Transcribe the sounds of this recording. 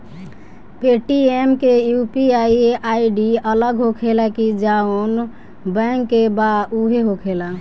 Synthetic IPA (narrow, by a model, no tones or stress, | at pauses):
peʈiemkejupiaiaiɖiələɡɦokʰelakid͡ʒaon | bɛ̃ŋkːebauɦeɦokʰela